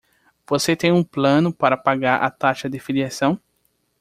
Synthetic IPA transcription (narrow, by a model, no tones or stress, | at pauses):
v̥oset̪ẽj̃ũplɐ̃nʊpaɾɐpaɡaɾʔɐ̰t̪aʃɐd̪ɪfiliasɐ̃w̃